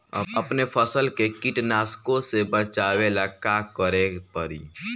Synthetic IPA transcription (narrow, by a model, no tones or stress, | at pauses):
ə̰bəpnepʰəsəlkekɪʈnaːskõsebət͡ʃawelakakəɾepəɾiː